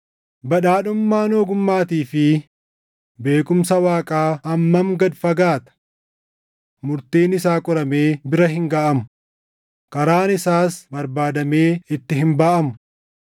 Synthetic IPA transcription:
bɐᶑaːᶑʊmːaːnoːɡʊmːaːt̪iːfɪ | be̞ːkʊmsɐwaːkʼaːɐmːɐmɡɐd̪fɐɡaːt̪ɐ̥ | mʊɾt̪iːnɪsaːkʼɔɾɐme̞ːbɪɾɐɦɪŋɡaːʔɐmʊ̥ | kɐɾaːnɪsaːsbɐɾbaːd̪ɐme̞ːɪt̪ːɪɦɪmbaːʔɐmʊ̥

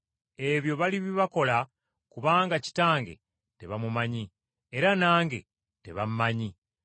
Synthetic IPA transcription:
e̞βjo̞βaliβiβako̞la | kuβaːŋɡaci̥taːŋɡe̞̰ | te̞̰βamumaɲi | eɾanaːŋɡe̞̰ | te̞βammaɲi

